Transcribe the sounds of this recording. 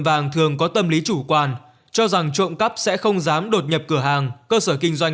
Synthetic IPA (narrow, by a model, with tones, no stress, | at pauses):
vaː˨˩ŋt̪ʰɨ˨˩əŋkɔ˨˦t̪ə˧mli˨˦t͡ɕu˧˩kwaː˨˩n | t͡ɕɔ˧za˨˩ŋt͡ɕo̰˧˨nkə˦˥p̚sɛ̰˧˥xə˧wŋ͡mzaː˨˦mɗo˨˩t̚ɲə˨˩p̚kɨ˧˩əɦaː˨˩ŋkəː˧səː˧˩kï˧ŋ̟zwa˧jŋ